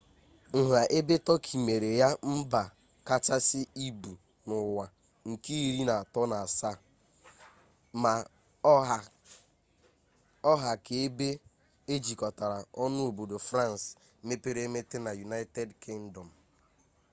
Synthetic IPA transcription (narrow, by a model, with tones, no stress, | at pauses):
ŋ̩˨ɦa˨ʔe˦be˦tɔ˦kʰi˨me˨ɾe˨ja˦m̩˦ba˨ | ka˦t͡ʃa˦sɪ˦i˦bu˨ | nʊ˨wa˨ | ŋ̩˨ki˦i˦ɾi˦na˨tɔ˦na˨a˨sa˦˨ | ma˨˦˨ | ɔ˦ɦa˨ke˨e˦be˦ | e˦d͡ʒi˨kɔ˨ta˨ɾa˨ɔ˦nʊ˦o˨bo˨do˨fɾa˦˨n˨s | me˦pe˦ɾe˦me˦te˦na˨ju˨na˦ɪ˦tɛ˦dkɪ˦ŋ̩˦dɔ˨m̩˨